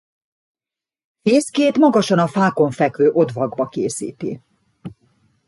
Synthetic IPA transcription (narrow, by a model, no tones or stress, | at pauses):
feːskeːt̪mɒɡɒʃɒnɒfaːko̞ɱfɛkʋøːʔo̞d̪vɒɡbɒkeːsḭːt̪ḭ